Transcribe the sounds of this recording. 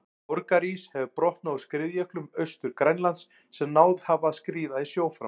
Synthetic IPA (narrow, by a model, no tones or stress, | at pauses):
ɔɾkaɾishɛvʏpɾɔht̪nawskɾɪðjɛhklʏmœɥst̪ʏɾ̥kɾajnlant̪sː | ɛmnaːwðhavaːðskɾiːðaisjoːwfɾa̰